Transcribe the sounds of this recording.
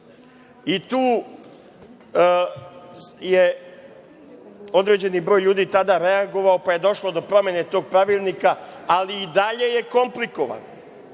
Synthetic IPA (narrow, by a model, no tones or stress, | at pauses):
it̪uː | je | o̞d̪ɾe̞ːd͡ʑe̞nibɾo̞ːjʎuːd̪iːt̪ad̪aɾe̞aɡo̞ʋaopaje̞d̪o̞ʃlod̪o̞pɾo̞me̞ne̞t̪o̞ːɡ̚pɾaʋiːlˠnikaːliːd̪aʎe̞je̞ko̞mplikoʋa̰n